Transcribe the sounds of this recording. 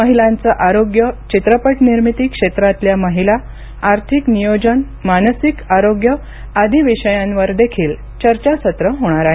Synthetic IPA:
məɦilãnt͡səʔaɾoɡjət͡ɕit̪ɾəpəʈniɾmit̪iːkʂet̪ɾat̪ljaməɦila | aɾt̪ʰiknijod͡ʑən | manəsikaɾoɡjə | ad̪ʱiʋiɕəjãnʋəɾd̪ekʰiːl | t͡ɕəɾt͡ɕasət̪ɾəɦoɽ̃aɾaɦe

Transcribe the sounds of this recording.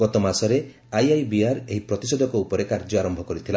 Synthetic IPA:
ɡ̥ɔt̪ɔmasɔɾe | ajajbiaɾeɦipɾɔt̪isɔd̪ʱɔkɔupɔɾekaɾd͡ʒɔaɾɔmbʱɔkɔɾit̪ʰila

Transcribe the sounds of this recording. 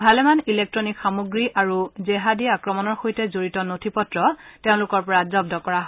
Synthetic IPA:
bʱalɛmanilek̚tɹɔnikxamoɡɹiʔaɹuzɛɦadiaakɹɔmɔnɔɹxojtɛzoɹitɔnotʰipɔtɹɔteʊ̃lʊkɔɹpɔɹazɔb̚dɔkɔɹaɦ

